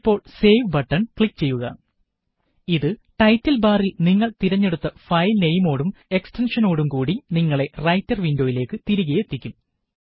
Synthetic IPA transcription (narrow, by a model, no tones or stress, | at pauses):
pːo̞ːɭse̞ːʋbɐʈːɐnkɭikːt͡ɕe̞jːuɣɐ̰ | iðɨʈɐjtːɐlbaːrilniŋːɐɭt̪iɾɐɲːe̞ɽut̪ːɐfɐjlnejmo̞ːɽume̞kstenʂɐno̞ːɽumkuːɽiniŋːɐɭe̞rɐjtːɐrʋindo̞ːjile̞ːkːɨt̪iɾuɣɐjet̪ːikʲːum